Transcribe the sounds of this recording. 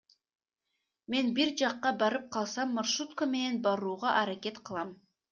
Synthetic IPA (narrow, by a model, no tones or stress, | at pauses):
me̞nbiɾd͡ʒɑqːɑbɑɾɯp̚qʰɑlˠsɑmːɑɾʃut̪kəme̞ne̞nbɑɾuːʁɑʔɑɾake̞t̪qʰɯlˠɑm